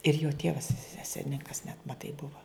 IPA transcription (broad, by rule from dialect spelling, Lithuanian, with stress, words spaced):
ɪr joː ˈtʲiɛʋɐs ˈsʲɛlʲnʲɪŋkɐs nʲɛt mɐˈtɐɪ ˈbʊʋɐ